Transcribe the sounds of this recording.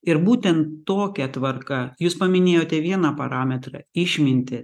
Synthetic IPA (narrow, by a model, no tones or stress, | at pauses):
ɪɾbuːt̪ʲɛnt̪ːoːkʲɛt̪ʋɐɾkɐjuːspɐmʲɪnʲeːjoːt̪ʲɛʋʲiɛnɑpɐ̰ɾɑːmʲɛt̪ɾɐ̰ɪʃʲmʲɪnʲt̪ʲɪ